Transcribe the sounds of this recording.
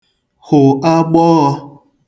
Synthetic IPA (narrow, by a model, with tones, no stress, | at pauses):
hʊ˨a˦ɡ͡bɔ˦ɣɔ˧